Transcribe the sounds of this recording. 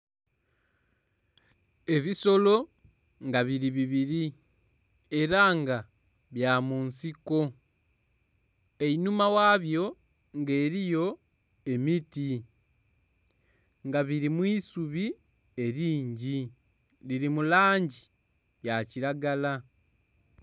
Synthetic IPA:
e̞βiso̞lo̞ | ŋɡaβiɾiβiβiɾi | e̞ɾaŋɡa | βjamunsiko̞ | e̞inumawaːβjo̞ | ŋɡe̞ːɾijo̞ | e̞miti | ŋɡaβiɾimwiːsuβi | e̞ɾiːɲɟi | liɾimulaːɲɟi | jaciɾaɡala

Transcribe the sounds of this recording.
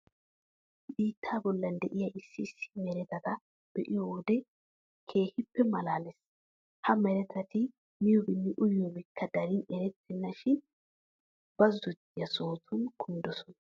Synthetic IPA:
biːt̪ʰːaːbɔlːɐnd̪ɛʔɪjɐʔɪsːɪsːɪ̥mɛɾɛt̪ɐt̪ɐ | b̥ɛʔɪjɔd̪ɛ | kʰe̞ːhɪpːɛmɐlaːlɛs | hɐmɛɾɛt̪ʰɐt̪ɪ | mɪjɔbɪnːɪʔʊjːɔbɪkʰːɐd̪ɐɾɪnɛɾɛt̪ːɛnːɐʃɪn | b̥ɐzːɔd̪ɪjɐso̞ːt̪ʰʊnkʰʊnd̪ɔsɔnɐ

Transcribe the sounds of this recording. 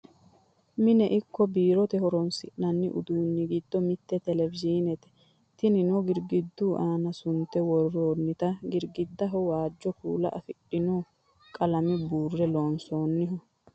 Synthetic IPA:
mɪnɛʔɪkːɔbiːɾɔt̪ɛhɔɾɔnsɪ̰ʔnɐnːɪʔʊ̰d̪uːnːɪɡɪd̪ːɔmɪt̪ːɛt̪ɛlɛvɪd͡ʒiːnɛt̪ɛ̥ | t̪ɪnɪnɔɡɪɾɡɪd̪ːuːʔaːnɐsʊnt̪ɛwɔrːoːnːɪt̪ɐɡɪɾɡɪd̪ːɐɦɔwaːd͡ʒːɔkṵːlɐ̰ʔɐfɪɗːɪnoː | kʼɐlɐmɪbuːrːɛloːnso̞ːnːɪɦʊ

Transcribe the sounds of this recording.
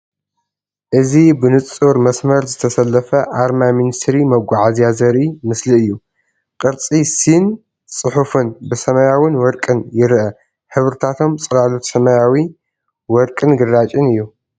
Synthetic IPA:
ʔɨzibɨnɨt͡sʼuɾmɐsmɐɾzɨt̪ʰɐsɐlːɐfɐʔaɾmaminist̪ʰɾimɐɡʷaʕazijazɐɾimɨsliɨjːu | kʼɨɾt͡sʼisin | sʼɨħufɨnbɨsɐmɐjawinwɔɾkʼɨnjɪɾʔɐ | ħɨβɾɨt̪ʰat̪ʰo̞mt͡sʼɨɾalut̪sɐmɐjawi | wɔɾkʼɨnɡɨrːat͡ʃʼɨnɨjːu

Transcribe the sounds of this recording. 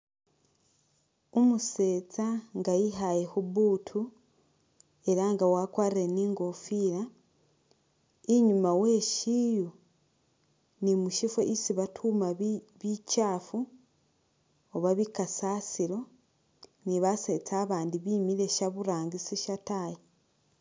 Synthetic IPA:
umuse̞ːt͡saŋɡajiɦajehuβuːtʰu | e̞ɾaŋɡawakwaːɾiɾe̞niːŋɡo̞fiːɾa | iɲumawe̞ʃiːju | nimuʃifoʔisiβatʰuːma | βicaːfu | oβaβikasaːsiɾo̞ | niβase̞ːt͡saːβaːndiβiːmiɾe̞ʃaβuɾaːŋɡisiʃataji

